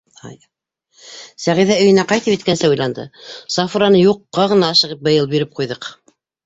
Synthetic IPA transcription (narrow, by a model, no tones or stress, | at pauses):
sæʁiðæɵ̆jɘ̆næqɑjt̪ɤpit̪̚kænsɘujlˠɑnd̪ɤ̰sɑfuɾɑnɤjuqːɑʁɤ̆nɑːʃɤ̆ʁɤp̚bɤ̆jɤlˠbiɾɘp̚qujðɤq